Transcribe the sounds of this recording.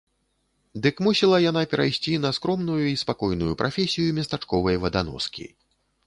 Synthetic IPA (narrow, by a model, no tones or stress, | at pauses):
d̪ɨkmusʲɛlˠɐjanapʲɛɾajsʲt͡sʲinɐskɾɔmnujuispakɔjnujupɾʔafʲesʲijumʲɐst̪at͡ʂkɔvɐjvɐd̪anɔ̰skʲḭ